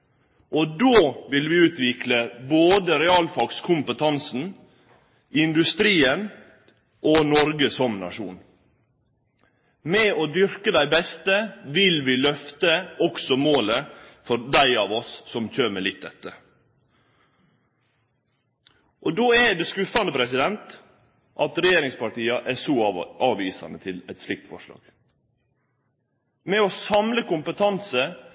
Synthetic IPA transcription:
ʔɔd̪oːʋɪlʋɪːʉːt̪ʰʋɪkləboːd̪əɾɛɑːlfɑɡskʰʊmpət̪ʰɑnsn̩ | ɪnd̪ʉst̪ɾiːən | ʔonɔɾɡəsɔmnɑ̰ʂṵːn | mɛoːd̪ʏɾkəd̪æɪbɛst̪əʋɪlʋɪlœft̪əɔksɔmoːləfɔɾd̪æɪɑːʋɔsːɔmçøːɾmɛlɪt̪̚d̪ɛt̪ːə | ʔɔd̪oːæɖɛskʉfɑnd̪əpʰɾɛsɪd̪ɛnt̪ | ʔɑt̪ɾɛjeːɾɪŋspɑʈiːɑʔæsɔʔɑːʋiːsɑ̰nət̪ʰɪlɛt̪slɪk̚t̪fɔ̰ʂlɑ̰ːɡ̥ | mɛɔsɑmləkʊmpət̪ʰɑnsə

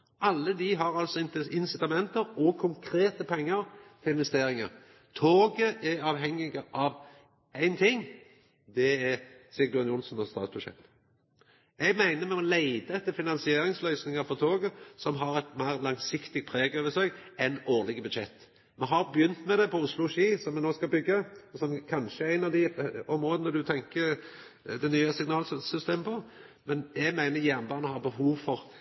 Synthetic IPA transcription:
ʔɑlːəd̪iɦɑɾɑlt̪sɔɪnsɪt̪ɑmɛnt̪əɾɔkʰʊŋkʰɾeːt̪əpʰɛŋːəɾfɾɪnʋɛst̪eːɾɪŋə̰ɾ | t̪ʰoːɡəʔɛɑːʋɦɛŋːɪɡəʔɑʋ | æɪnt̪ʰɪŋː | d̪ɛɛsɪɡd̪ʊnjʊlsnɔst̪ɑ̰ːt̪sb̥ʉʃɛ̰t̪ː | ɛɡmæɪnəmɛmɔleɪd̪əɛt̪ːəɾfɪnɑnsɪeːɾɪŋslœʏsnɪŋəɾfɔʁt̪ʰoːɡəsɔmɦɑɾɛt̪mæɪʁlɑŋsɪkt̪ɪɡt̪pʰɾeːɡəɔʋəsøkɛnoːʁlɪɡəbʉd̪ʃɛt̪ː | mɛɦɑɾbjʏnt̪mɛd̪ɛpʰɔʊslʊʃiːsɔmːɛnoːskɑbʏɡːəɔsɔmkʰɑnʃəæɾæɪnɑd̪ɪɔmɾoːd̪ənəd̪ʉt̪ʰɛŋkə | d̪ɛnyːəsɪɡnɑːlssʏst̪eːməpʰɔ | mɛnɛɡmæɪnəjæːʁnbɑːnəhɑɾbəhuːʋfɔʁ

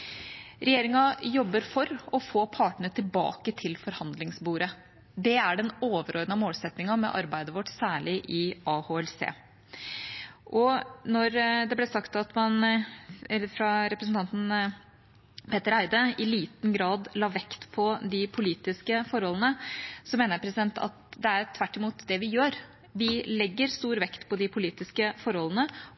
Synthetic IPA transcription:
ɾɛjeːɾɪŋɑjɔbːəɾfɔɾɔfoːpʰɑːʈɳəət̪ʰɪlbɑ̰ːkət̪ʰɪlfɔɾhɑnd̪lɪŋsbuːɾə | d̪ɛæɖɛnoːʋəɾoːd̪nəɑmoːlsɛt̪nɪŋɑmɛ̰ʔɑ̰ɾbæɪd̪əʋɔʈːsæːɭɪʔɪʔɑhoːɛlsḛː | ʔɔnɔɾd̪ɛblɛsɑkt̪ɑt̪mɑn | fɾɑɾɛpɾəsn̩t̪ʰɑnt̪n̩ | pʰeːt̪əɾæɪd̪əɪliːt̪n̩ɡɾɑːd̪lɑːʋɛkt̪pʰɔd̪ɪpʰʊliːt̪ɪskəfɔɾhɔlənəsɔmeːnəɾpʰɾɛsɪd̪ɛnt̪ɑ̰t̪d̪ɛæɾt̪ʰʋæʈːɪmuːt̪d̪ɛʋɪjøːɾ | ʋɪlɛɡːəɾst̪uːɾʋɛkt̪pʰɔd̪ɪpʰʊliːt̪ɪskəfɔɾhɔlːənə

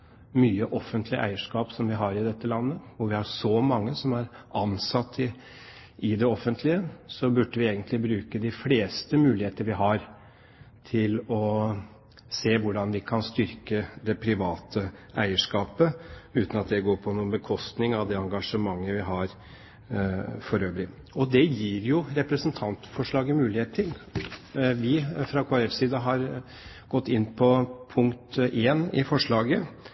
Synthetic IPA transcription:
myːəʔɔfːənt̪ʰlɪʔæ̰ɪəʂkɑːpsɔmʋɪɦɑɾɪd̪ɛt̪ːəlɑnːəɔʋɪhɑɾʂɔmɑŋːəsɔmæɾɑnsɑt̪ʰːɪ | ɪd̪ɛɔfːənt̪ʰlɪəsɔbʉɖəʋɪeːɡənt̪ʰlɪbɾʉːkəd̪ɪfleːst̪əmʉːlɪheːt̪əəʋɪɦɑɾ | t̪ʰɪlɔ | seːʋʊɖɑnʋɪkʰɑnst̪ʏɾkəd̪ɛpʰɾɪʋɑːt̪ʰəæɪəʂkɑːpəʉːt̪nɑt̪̚d̪ɛɡoːɾpʰɔnuːənbəkʰɔst̪nɪŋɑʋd̪ɛɑŋɡɑʂəmɑŋːəʋɪɦɑɾ | fɔɾøːʋəɾɪ | ɔd̪ɛjiːɾjʊɾɛpɾəsənt̪ʰɑnt̪fɔʂɭɑːɡəmʉːlɪheːt̪ʰɪl | ʋɪfɾɑkʰoːɾɛfsiːd̪əɦɑɾ | ɡ̥ɔt̪ːɪnːpʰɔpʰʊŋkt̪eːnɪfɔʂɭɑːɡə

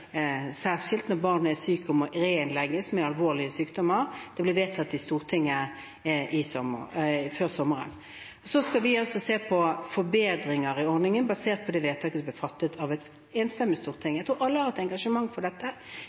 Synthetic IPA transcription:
sæːʁʂɪlt̪nɔɾbɑʁnəæsyːkəmɔɾenlɛɡəsmɛɑlʋoːlɪəsyːkd̪ɔmːəɾd̪̥ɛblɪʋeːt̪ʰɑt̪ːɪst̪uːɾt̪ʰɪŋːə | ʔɪsɔføːɾsɔmːəɾə̰n | ɔsɔskɑʋɪɑlsɔseːpʰɔfɔɾbeːd̪ɾɪŋəɾɪɔɾnɪŋənbɑseːʁt̪̚pʰɔd̪ɛʋeːt̪ʰɑːkəsb̪lɪfɑt̪ːət̪ʰɑʋɛt̪ | ɛnst̪ɛmːɪst̪uːɾt̪ʰɪŋːjæɡt̪ʰuːɾɑlːəhɑːɾɛt̪ɛŋɡɑʂəmɑŋːfɔɖ̪ɛt̪ːə

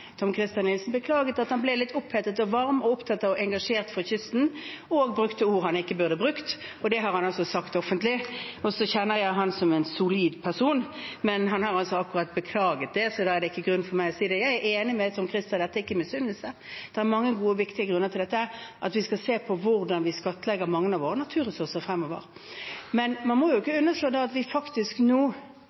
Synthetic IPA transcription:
t̪ʰɔmkʰʁɪst̪jɑnːɪlsn̩bəkʰlɑːɡət̪ɑt̪hɑnblɛlɪt̪ːʊpʰhɛt̪ːət̪ɔʋɑɾmɔʊpt̪ʰɑt̪ːɑɔʔɛŋɡɑʂeːʁt̪fɔçʏst̪n̩ɔɡ̚bʁʉkt̪əʊːʁhɑnɪkːəbʉʁd̪əbʁʉkt̪ɔd̪ɛɦɑɾʁhɑnɑlsɔsɑkt̪ɔfənt̪lɪɔsɔçɛnːəɾjæɪɦɑnsɔmɛnsʊliːd̪pʰæsuːnmɛnɦɑnhɑɾɑlsɔɑkːʉɾɑt̪̚bəkʰlɑːɡət̪̚d̪ɛsɔd̪ɑæʁd̪ɛɪkːəɡɾʉnːfɔɾmæɪɔsiːd̪ɛjæɪeːnɪmɛsɔmkʰɾɪst̪əd̪ɛt̪ːəɪkːəmɛsʏnd̪əlsə | d̪̥ɛʁæɾmɑŋːəɡuːəʋɪkt̪ɪəɡɾʉnːət̪ɪlɛt̪ːəæɾʔɑt̪ʋɪskɑseːpʰɔʋʊʁd̪ɑnʋɪskɑt̪ːəlɛɡəɾmɑŋːənɑʋoːɾənɑt̪ʰʉːɾʁɛsʉʁsəʁfɾɛmːɔʋə̰ʁ | mɛnmɑnmɔjʊɪkːəʉnːəʂɭøːd̪ɛɑt̪ʋɪfɑkt̪ɪsknuː

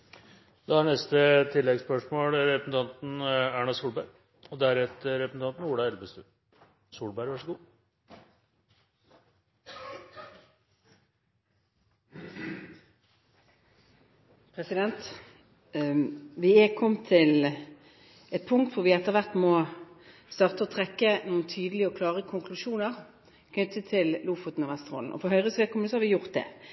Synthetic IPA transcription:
d̪ɑɑɳɛst̪ət̪ʰɪlːɛɡspœʂmoːlɾɛpəsn̩t̪ʰɑnt̪n̩æːɳɑsuːlbæɪɾ | ɔd̪æɾɛt̪əɾɛpəsn̩ɑnt̪n̩uːɽɑɛlbəst̪ʉ̰ː | suːlbæɪɾʋɑʂəɡuː | pʰʁɛsɪd̪ɛnt̪ | ʋɪɛkʰɔmːt̪ʰɪl | ɛt̪̚pʰʊŋkt̪ʋʊʁʋɪɛt̪ːəʁʋæʁt̪mɔ | st̪ɑːʁt̪əɔt̪ʰʁɛkːənuːənt̪ʰyːd̪əlɪəɔkʰlɑːʁəkʰʊŋkʰlʉʃuːnəʁ | kʰnʏt̪ət̪ʰɪlluːfɔt̪n̩ɑːʋɛst̪ʁo̰ːln̩ʔɔ̰fɔɦœʏʁəsʋeːkɔməsɔhɑʁʋɪjʊʁt̪̚d̪ɛ̰

